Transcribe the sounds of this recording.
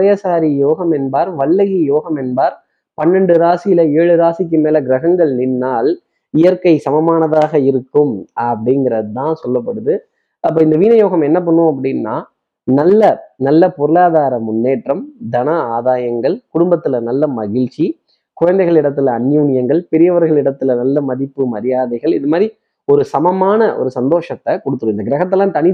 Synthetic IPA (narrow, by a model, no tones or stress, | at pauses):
ɐjɐsaːɾijoːɣɐmɛnbaːɾʋɐlːɐɣijoːɣɐmɛnbaːɾ | pɐnːɛɳɖɯɾaːsɪjɪlɐeːɻɯɾaːsɪk̬ːɯmeːlɛɡɾɐɣɐŋɡɐɭnɪnːaːl | ɪjɐɾkɐɪsɐmɐmaːnɐðaːɣɐɪɾɯkːɯmɐpːɐɽɪŋɡɪɾɐɯt̪ãːnsɔlːɐpːɐɽɯðɯ | ɐpːɐːɪnd̪ɐʋiːnɐjoːɣɐmɛnːɐp̬ːɐɳːʊ̃ɐpːɐɽɪnːa̰ː | nɐlːɐnɐlːɐpɔɾɯlaːðaːɾɐmːʊnːeːʈrɐmd̪ɐnɐaːðaːjɐŋɡɐɭkʊɽʊmbɐt̪ːɪlɐnɐlːɐmɐɣɪɻt͡ʃi | kʊɻɐnd̪ɐɪɣɐɭɪɽɐt̪ːɪlɐːnːjuːɳɪjɐŋɡɐɭpɛɾɪjɐʋɐɾɣɐɭɪɽɐt̪ːɪlɐnɐlːɐmɐðɪpːɯmɐɾɪjaːðɐɪɣɐɭɪðɯmaːɾi | ɔɾɯsɐmɐmaːnɐʔɔ̰ɾɯsɐnd̪oːʂɐt̪ːɐkɔɽɯt̪ːɯɾɯɪnd̪ɐɡɪɾɐɣɐt̪ːɛlːãːt̪ɐnɪ